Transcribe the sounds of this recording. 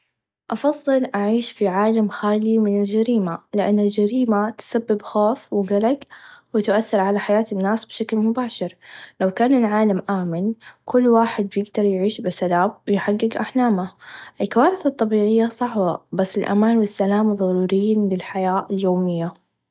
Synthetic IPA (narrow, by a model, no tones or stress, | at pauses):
ʔɑfɑðˤːɨlʔaʕiːʃfiʕaːlamxaːlimɪnɪld͡ʒaɾiːmalɪʔa̰nːald͡ʒaɾiːmat̪sabːɪbxoːfwɪɡalaɡwɪt̪ʊʔaθːɪɾʕalaħajaːt̪ɪnːaːsbʃaklmʊbaːʃɪɾlawkaːnɪlʕaːlamʔaːmɪnkʊlːwaːħɪd̪̚bjɪɡd̪ɑɾˤjʕiːʃbɪsalaːbwɪjħaɡːɪɡʔaħlaːmaʔɪlkawaːɾɪθat̪ˤːɑbiːʕɪjːasˤɑħbabasːɪlʔa̰maːnwɪsːalaːmðˤɑɾuːɾɪjːiːnlɪlħajaːʔɪljoːmɪjːa